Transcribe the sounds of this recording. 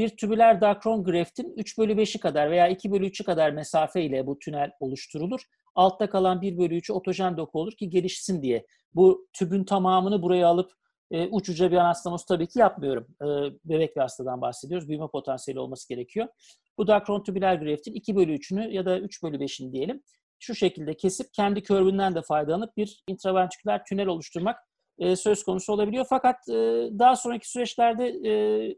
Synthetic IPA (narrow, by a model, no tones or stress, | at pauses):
b̥iɾt̪ʰybylʲæɾd̪akɾo̞nɡɯɾeft̪ʰinyt͡ʃbølʲybe̞ʃikad̪aɾve̞jaːicʰibø̞lʲyyt͡ʃʰykad̪aɾmesaːfɛilʲɛbut̪ʰynælʲo̞lˠuʃt̪ʰuɾulˠuɾ̥ | alˠt̪ʰːakalˠanbiɾbø̞lʲyːt͡ʃʰyo̞t̪ʰo̞ʒɛnd̪okʰuo̞lˠuɾcʰiɟe̞lʲiʃsind̪ijɛ | but̪ʰybynt̪ʰamaːmɯnɯbuɾajaːlˠɯp | ɯːʔut͡ʃud͡ʒabijanasaosut̪ʰabiːcʰijapmɯjo̞ɾumɯːbe̞bɛc̚biast̪ʰad̪anbaxse̞d̪io̞ɾuzbyjmɛpʰo̞t̪ʰansijelʲio̞̰lˠmasɯɟe̞ɾe̞cʰijo̞ | bud̪akɾo̞nt̪ʰybilʲæɾɡyɾeɛft̪ʰinicʰibø̞lʲyːt͡ʃʰynyjad̪ayt͡ʃbølʲybe̞ʃinid̪ije̞lʲim | ʃuʃe̞cilʲd̪ɛcʰe̞sip̚cʰɛnd̪icʰø̞ɾbynd̪ænd̪ɛfajd̪alˠanɯp̚biɾint̪ɾavænt̪ʰy̥cʲlʲæɾt̪ʰynɛlʲo̞lˠuʃt̪ʰuɾmak | ɯːsø̞skʰo̞nusuoabilʲijo̞fakat̪ɯːd̪aɦasonɾacʰi̥syɾɛt͡ʃlʲæɾd̪ɛː